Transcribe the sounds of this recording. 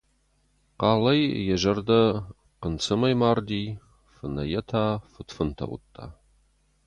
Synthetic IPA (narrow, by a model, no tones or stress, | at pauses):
qɑːlɐjjɛʒɐrd̪ɐ | qənt͡sʰɨmɐjmaːrd̪iː | fɨnɐjɛtʰaːfɨtfɨntʰɐ̰wʊ̰t̪ʰʼːa̰ː